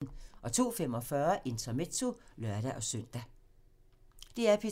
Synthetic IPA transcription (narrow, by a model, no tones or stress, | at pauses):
n̩ʔɒ̽t͡sʰo̝̰ːfem̰ɒ̽fɶɐʔe̝nt͡sʰɒmet͡sʰo̝lɶɐɾæʔɒ̽søn̰d̥æ | d̥e̝æɐpʰi